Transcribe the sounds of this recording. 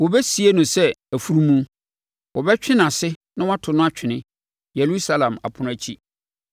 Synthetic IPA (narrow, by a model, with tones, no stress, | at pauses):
wɔ˨bɛ˦si˨e˦nʊ̃˨sɛ˦æ˨fu˦ɾu˦mũ˦ | wɔ˨bɛ˦t͡ɕᶣɪ̃˦nã˨sɪ˦nã˦wa˦tʰʊ˨nʊ̃˦a˦t͡ɕᶣʰɪ˨nɪ̃˦ | jɛ˨lu˦sa˦lã˨ma̰˨pʰʊ̃˨˦nʊ̃˦æ˨t͡ɕʰi˦